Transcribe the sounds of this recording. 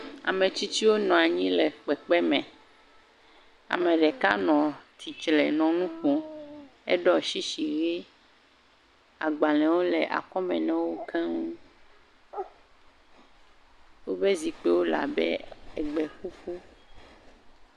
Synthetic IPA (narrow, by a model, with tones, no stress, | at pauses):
a̰˨mẽ˨t͡ɕi˦t͡ɕi˦wo˦nɔ̃˨a˨ɲĩ˦lɛ˨k͡pɛ˨k͡pɛ˦mɛ̃˨ | a̰˨mɛ̃˨ɖɛ˨ka̰˦nɔ̃˨t̪ʰi˨t͡ʃlɛ˨nɔ̃˨nũ˦xu˨ɛ̰˦ɖɔ˦˨ʃi˦ʃi˨ɣe˦ | a˨ɡ͡ba˨lɛ̃˨wo˦lɛ˨ʔa̰˨kɔ˦mɛ̃˨nɛ̃˨wo˦kɛ̃˦ŋũ˦ | wo˦be˦zi˨k͡pɛ˦wo˦la̰˨bɛ̰˦ɛ˨ɡ͡bɛ˨ɸu˦fu˦